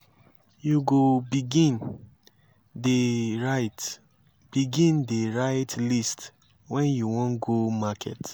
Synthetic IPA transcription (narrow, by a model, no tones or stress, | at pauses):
juɡobiɡĩn | deɹat | b̥iɡĩndeɹaɪtlist | wɛ̃njuwɔ̃nɡomakʰɛ̰t